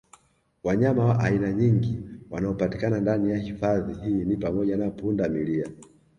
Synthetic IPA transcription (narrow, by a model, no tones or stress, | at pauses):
waɲamawaʔainaɲiŋɡiwanaɔpati̥kanandanijahifaðihinipamɔʄanapundamilia